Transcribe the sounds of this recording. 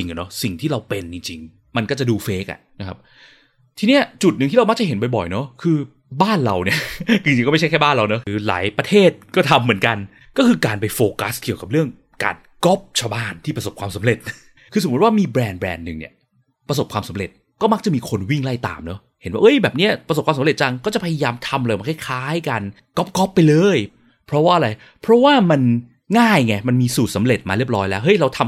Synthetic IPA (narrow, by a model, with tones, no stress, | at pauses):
i˧ŋa˨˩nɔ˦˥si˨˩ŋt̪ʰiː˥˩ɾa˧wpe˧nt͡ɕi˧ŋt͡ɕi˧ŋ | ma˧nkɔ˥˩t͡ɕa˨˩duː˧feː˦˥k̚a̰˨˩na˦˥kʰa˦˥p̚ | t̪ʰiː˧ni˥ɐt͡ɕu˨˩t̪̚nɯ˨ŋʰiː˥˩a˧ma˦˥k̚t͡ɕa˨˩ɦe˩˦np̬a˧jbɔ̰˨˩jnɔ˦˥kʰɯː˧ | baː˥˩nɾa˧wni˥˩ɐt͡ɕi˧ŋt͡ɕi˧ŋkɔ˥˩m˥˩t͡ɕʰkʰa˥˩jbaː˥˩nla˧wnɔ˦˥kɯː˧la̰ː˩˦jpɾa˧t̪ʰeː˥˩t̪̚kɔː˥˩t̪ʰa˧mːɯ˩˦ənka˧n | kɔː˥˩kʰɯː˧kaː˧npa˧jfoː˧ka˦˥ski˨˩əwka˨˩p̚ɾɯ˥˩əŋ | ka̰ː˧n | ko˦˥˩p̚t͡ɕʰa˧wbaː˥˩nt̪ʰiː˥˩pɾa˧so˨˩p̚kwaː˧msa˩˦ɾe˨˩t̪̚ | kʰɯː˧so˨˩˦t̪̚waː˥˩miː˧bɾɛː˧nbɾɛ̰ː˧nːɯ˨˩ŋnḭ˨˥ɐ | pɾa˧so˨˩p̚kʰwaː˧msa˨˦mɾe˨˩t̪̚ | kɔː˥˩ma˦˥k̚t͡ɕa˨˩miː˧kʰo˧nwi˥˩ŋla˥˩jt̪a̰ː˨˧mnɔ˦˥ | he˩˦nwaː˥ʔɤ˦˥jbɛː˨˩p̚ni˦˥ɐpɾa˧s̬p̚waː˧msa˦mɾe˨˩t̪̚t͡ɕa˧ŋkɔː˥˩t͡ɕa˨pʰa˧ja˧jaː˧mt̪ʰa˧mlɤː˧ma˧nkʰːjkʰaː˦˥jka˧n | kɔ˦˥p̚kɔ˦˥pːa˧jlɤː˧j | pʰɾɔ˦˥waː˥˩ʔɾa˧j | pʰɾɔ˦˥waː˥˩ma˧n | ŋaː˥˩jŋɛ˧˩ma˧nmiː˧suː˨˩t̪̚sa˩˦mɾe˨˩t̪̚ma̰ː˧ɾi˥˩əp̚lɔː˦˥jlɛː˦˥wɦɤ˦˥jɾa˧wt̪ʰa˧m